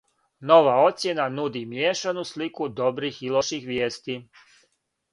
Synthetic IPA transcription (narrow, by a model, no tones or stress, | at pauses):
no̞ʋao̞t̪sʲje̞nanud̪imjeːʃanuslikud̪o̞bɾixilˠoʃixʋjeːst̪i